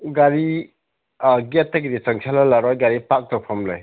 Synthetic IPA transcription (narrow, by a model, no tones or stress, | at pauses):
ɡaɾi | ɡetːaɡidisaŋsʰalalaɾɔjɡaɾipak̚tɔpʰɔmlɯj